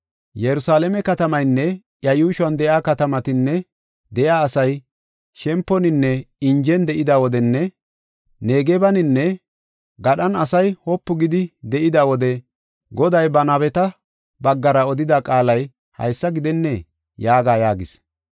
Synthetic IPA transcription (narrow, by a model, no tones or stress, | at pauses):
jɛɾʊsaːlɛmɛkɐt̪ɐmɐjnːɛ | jɐjuːʃwɐnd̪ɛjaːkɐt̪ɐmɐt̪ɪnːɛ | d̪ɛʔjaːsɐj | ʃɛmpːɔnɪnːɛɪnd͡ʒɛnd̪ɛʔɪd̪awɔd̪ɛnːɛ | neːɡɛbɐnɪnːɛ | ɡɐɗɐnɐsɐjhɔpːʊɡɪd̪ɪd̪ɛʔɪd̪awɔd̪ɛ | ɡɔd̪ɐjbɐnɐbɛt̪ɐ | bɐɡːɐɾɐɔd̪ɪd̪akʼaːlɐj | hɐ̰jsːɐɡɪd̪ɛnːɛ | jaːɡaːjaːɡɪs